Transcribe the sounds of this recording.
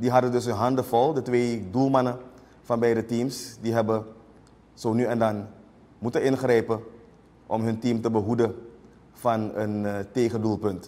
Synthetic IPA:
diɦɑdəndɵsənɦɑndəvɔlˠdətʋeːdulˠmɑnə | fɑnbɛjdətimsdiɦɛbə | z̥oːnyɛndɑn | mutənɪnχrɛjpə | ʔɔmɦɵntimtəbəɦudə | fɑnənteːχəndulˠpɵnt

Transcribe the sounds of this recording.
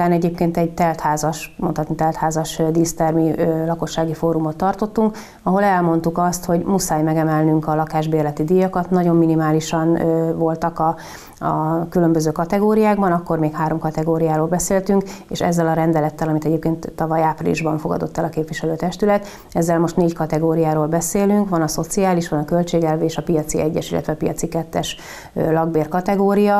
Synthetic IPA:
aːnɛɟeːpkeːnt̪ɛɟ̚t̪ɛlt̪haːzɒʃmonhɒt̪nit̪ɛlt̪haːzɒʃd̪iːst̪ɛrmiølɒko̞ʃːaːɡifoːɾumo̞t̪ːɒrt̪o̞t̪ːuŋk | ɒɦo̞lɛlmo̞nt̪ukɒst̪ho̞ɟmusaːjmɛɡɛmɛlnyŋkɒlɒkaːʒbeːrlɛt̪id̪ijːɒkɒt̪nɒɟo̞mːinimaːliʃɒnvo̞lt̪ɒkɒ | ɒkylømbøzøːkɒt̪ɛɡoːɾijaːɡbɒnɒkːo̞rmeːkhaːɾo̞mkɒt̪ɛɡoːɾijaːɾoːlbɛseːlt̪yŋkḛːʃɛ̰zːɛlɒɾɛnd̪ɛlɛt̪ːɛlɒmit̪ɛɟeːp̚keːnt̪ːɒvɒjaːprḭlḭʒbɒɱfo̞ɡɒ̰d̪o̞̰t̪ːɛlɒkeːpʋiʃɛløːt̪ɛʃt̪ylɛt̪ | ɛzːɛlmo̞ʃt̪neːɟkɒt̪ɛɡoːɾijaːɾoːlbɛseːlyŋkʋɒnɒso̞t̪siaːliʃʋɒnɒkø̞lt͡ʃeːɡɛlveːʃɒpijɒt̪sḭɛɟːɛ̰ʃilːɛ̰t̪ʋɛpijɒt̪sikɛt̪ːɛʃ | lɒɡbeːrkɒt̪ɛɡoːɾijɒ

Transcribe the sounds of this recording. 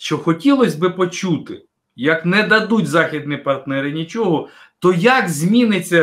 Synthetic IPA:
ʃt͡ʃɔxɔtʲilˠɔsʲbɪpɔt͡ʃut̪ɪ | jɐknɛd̪ɐd̪utʲzɑxʲid̪nipɐrt̪nɛɾɪnʲit͡ʃɔɦɔ | t̪ɔjɐkzʲmʲinɪt͡sʲːɐ

